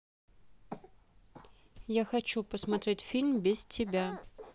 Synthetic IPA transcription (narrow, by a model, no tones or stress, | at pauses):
jaxɐt͡ɕupəsmɐt̪ɾʲetʲfʲilʲmbʲɪstʲɪbʲa